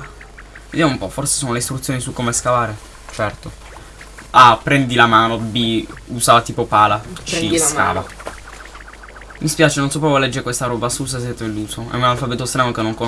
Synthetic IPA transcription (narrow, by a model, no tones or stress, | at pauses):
ved̪jamoumpɔforse̥soːnoleist̪ɾut̪sjoːnisukːomeskavaːɾe | t͡ʃɛrt̪o | apːɾɛnd̪ilamaːnobiuzaːvat̪iːpopaːlakiska̰ːva̰ | mispjaːt͡ʃenonsɔp̬ːɾavɔlɛd͡ʒːeɾekwest̪aɾɔːbasus̬as̬ɛt̪ːelːuːzoɛ̰unalfabɛːt̪ost̪ɾaːnokenːoŋko